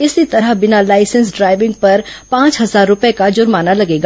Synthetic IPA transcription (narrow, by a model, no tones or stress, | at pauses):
ɪsit̪ɐɾəɦbɪnalaːɪsə̃nsɖɾaːɪʋɪ̃ŋɡ̚pɐɾpãːt͡ʃɦɐzaːɾːʊpekad͡ʒʊɾmaːnalɐɡeːɡa